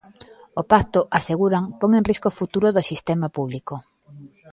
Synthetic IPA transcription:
opakt̪oʔaseɣuɾaŋpɔŋẽŋriskofut̪uɾʊðosist̪emapuβliko

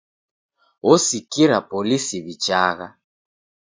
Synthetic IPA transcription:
wɔsikiɾapʼɔlisiβit͡ʃʼaːɣa

